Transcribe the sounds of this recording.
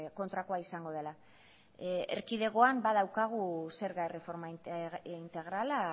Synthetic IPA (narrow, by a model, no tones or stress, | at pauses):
ko̞nt̪ɾako̞aisaŋɡo̞ð̞e̞la | ḛɾkiðe̞ɣo̞ambaðawkaɣ̞use̞ɾɣaere̞fo̞ɾmaint̪e̞ɣ̞ɾala